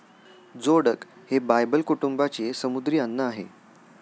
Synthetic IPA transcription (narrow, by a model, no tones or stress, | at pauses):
d͡zoɽək | hebajbəlkuʈumbat͡ɕesəmud̪ɾiːanːəaɦḛ